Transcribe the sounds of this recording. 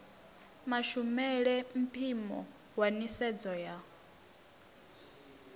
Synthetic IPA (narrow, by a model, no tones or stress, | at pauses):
maʃumɛɺɛm̩pʰimɔ̰ | wanisɛd͡zɔja